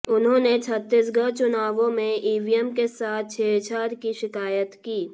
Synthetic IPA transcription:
ʊnɦõːnet͡ʃʰət̪ːɪsɡət͡ʃʊnaːʋõmẽiːʋijəmkesaːt̪̚ʰt͡ʃʰeːt͡ʃʰaːɾkiʃɪkaːjət̪kiː

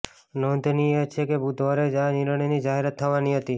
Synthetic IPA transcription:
nɔnt̪niet͡ʃʰekebud̪ʱʋaɾed͡ʒaniɾəɳ̃inid͡ʒaɦeɾat̪ʰːəʋaniɦət̪i

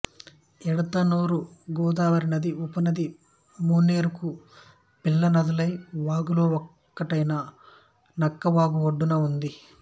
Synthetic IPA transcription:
ɛɽut̪ɐnoːɾuɡuːd̪aːʋɐɾinɐd̪iupɐnɐd̪i | muːnːeːɾuku | pilːɐnɐd̪ɐlɐjʋaːɡuloːɔk | kːɐʈɐjnɐ | nɐkːɐʋaːɡuoɖːunɐund̪i

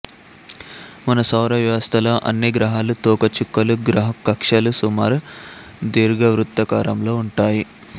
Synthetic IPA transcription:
mɐnɐsɐwɾɐʋjɐʋɐst̪ʰɐlɐːʔɐ̰nːiɡɾɐɦaːlut̪ɔːkɐt͡ʃukːɐluɡɾɐɦɐkɐkʂɐlusumaːɾu | d̪iːɾɡɐʋɾut̪ːɐkaːɾɐmlo̞ːuɳʈaːji

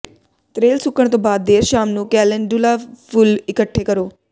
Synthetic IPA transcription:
t̪ɾeːlsʊkəɽ̃t̪õːbaːd̪̚ːeːɾʃaːmnũːkɛːlənɖulaːpʰʊlɪkəʈʰːeːkəɾoː

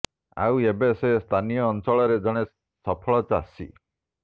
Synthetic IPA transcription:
a̰webesest̪ʰanijɔːnsɔɭɔɾed͡ʒɔɽ̃e | sɔpʰɔɭɔt͡ʃasḭ

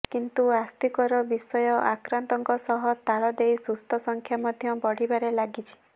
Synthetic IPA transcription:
kint̪uast̪ikɔɾɔbisɔjɔʔakɾant̪ɔŋkɔsɔɦɔt̪aɭɔd̪ejsust̪ʰɔsɔŋkʰjamɔd̪ʱjɔbɔɽ̤ibaɾelaɡit͡ʃʰi̥

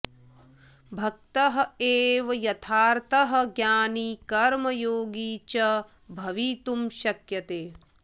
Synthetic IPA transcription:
bʱɐk̚t̪ɐɦɐeːʋɐjɐt̪ʰaːɾt̪ɐɦɐ̆ɡjaːnikɐɾmɐjoːɡiːt͡ʃɐ | bʱɐʋit̪umʃɐkjɐt̪eː

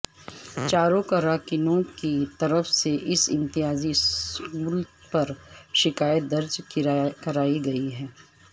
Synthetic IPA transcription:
t͡ʃaːɾõkɐɾaːkɪnõkit̪ɐɾəfseʔɪsɪ̰̃nt̪ɪɦaːziskuːlpɐɾʃɪkaːjət̪̚d̪ɐɾd͡ʒkkɐɾaːiɡɐiɦɛː

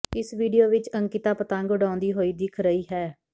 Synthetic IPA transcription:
ɪsʋiːɖijoːʋɪt͡ʃəŋkɪt̪aːpət̪ãːŋɡʊɖãːʊnd̪iːɦoːiːd̪ɪkʰɾəiːɦɛː

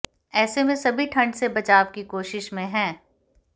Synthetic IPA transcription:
ɛːsemẽsɐbʱiʈʰɐ̃ɳɖsebɐt͡ʃaːʋkikoːʃɪʃmẽɦɛ̃ː

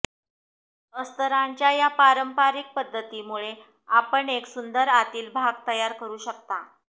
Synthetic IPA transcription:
əst̪əɾaɲt͡ɕjajapaɾəmpaɾik̚pəd̪ʱːət̪iːmuɭe | apəɳeksund̪əɾat̪iːlbʱaɡ̚t̪əjaɾkəɾuːɕəkt̪a̰

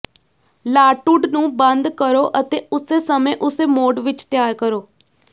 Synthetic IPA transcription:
laːʈʊɖnũːbənd̪kəɾoːʔət̪eːʊseːsəmẽːʔʊseːmoːɖʋɪt͡ʃt̪ɪjaːɾkəɾoː

